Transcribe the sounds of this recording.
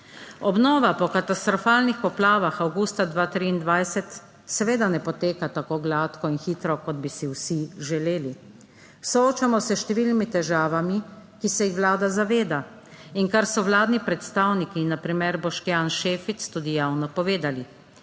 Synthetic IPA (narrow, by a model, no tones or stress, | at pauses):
ɔbnɔːʋapɔkat̪ast̪ɾɔfaːlnixpɔplaːʋaxawɡust̪ad̪ʋaːt̪ɾiːnd̪ʋajsɛt̪ | sɛʋeːd̪anɛpɔt̪eːkat̪akoːɡlaːt̪kɔinxiːt̪ɾɔkɔd̪̚bisiwsiʒɛleːli | sɔoːt͡ʃamɔsɛʃt̪ɛʋilnimit̪ɛʒaːʋamikisɛjixʋlaːd̪azaʋeːd̪a | iŋkaɾsɔwlaːd̪nipɾɛt̪st̪awnikinapɾimɛɾbɔʃkjaːnʃeːfit̪st̪uːd̪ijaːwnɔpɔʋeːd̪ali